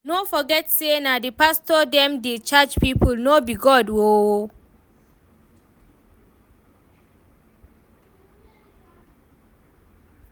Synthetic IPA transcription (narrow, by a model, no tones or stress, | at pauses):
nofɔɡɛtsenadipastɔdɛ̃mdet͡ʃad͡ʒpipulnobiɡɔdwo